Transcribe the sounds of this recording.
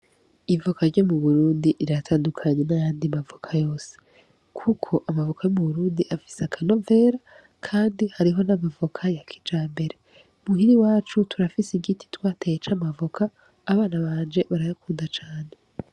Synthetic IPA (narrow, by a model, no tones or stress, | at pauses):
ivokaɾɟo̞muβuɾuːndiʔiɾatʰaːndukʰaɲe̞najaːndimavokʰajo̞ːse̥ | kʰukʰo̞ʔamavokʰajomuβuɾuːndiʔafi̥seakʰano̞ve̞ːɾa | kʰaːndihaɾiɦo̞namavokʰajakʰi̥d͡ʒaːmbe̞ɾe̞ | umuhiɾiwaːt͡ʃutʰuɾafisiɡiti̥twaːtejet͡ʃamavokʰaː | βaːnaβaːnd͡ʒe̞βaɾajakuːndat͡ʃaːne̞